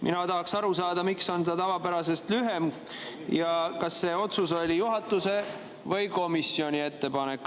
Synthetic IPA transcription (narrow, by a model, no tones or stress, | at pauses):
mʔḭnɑt̪ɑɦɑksɑɾusɑːd̪ɑmikso̞nɑt̪ɑvɑpæɾɑse̞st̪lyɦe̞m | jɑkɑsːe̞ːo̞t̪suso̞lʲijuɦɑt̪ːˑuse̞ | vɤjko̞misio̞nʲie̞t̪ːe̞pɑne̞kːˑ